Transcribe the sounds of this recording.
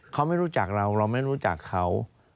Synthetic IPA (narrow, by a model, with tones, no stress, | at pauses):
kʰa˦˥wma˥˩jɾuː˦˥t͡ɕa˨˩k̚ɾa˧wɾa˧wma˥˩jɾuː˦˥t͡ɕa̰˨˩kʰːa˦˥w